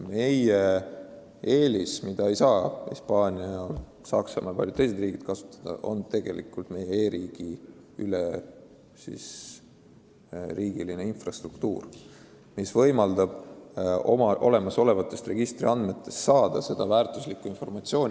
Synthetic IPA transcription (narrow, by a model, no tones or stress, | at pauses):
me̞je | e̞ːlismid̪̥ɑe̞jsɑːhḭspɑːnʲiɑl | sɑksɑmɑjɑpɑlʲjut̪ejs̬eriːɡid̪̥kɑsu̥t̪ˑːɑ̥d̪̥ɑ̰ʔo̞̰nt̪e̞ɡ̥e̞̰lʔḭkult̪me̞jeeːɾiːɡ̥i | yle | sḭs | ɾiːɡ̥iline̞infrɑst̪rukt̪ṵːr | misvɤ̞jmɑld̪ɑb̥ | o̰mɑʔo̞le̞mɑso̞le̞vɑt̪ːˑe̞st̪re̞ɡ̥ist̪riɑnd̪me̞t̪ːe̞st̪ːɑːd̪̥ɑse̞d̪̥ɑvæːrt̪ˑuslikːˑuinfo̞rmɑt̪sio̞ːnʲ